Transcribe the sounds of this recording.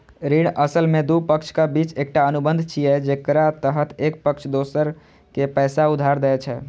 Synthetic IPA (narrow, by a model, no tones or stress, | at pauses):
ɾiɽəsəlmed̪upəkt͡ʃʰkabit͡ʃek̚ʈaənubənd̪ʱt͡ʃʰijɛd͡ʒekɾat̪əɦət̪ʰek̚pəkt͡ʃʰd̪osəɾ | kepɛsaud̪ʱaɾd̪əɛt͡ʃʰɛ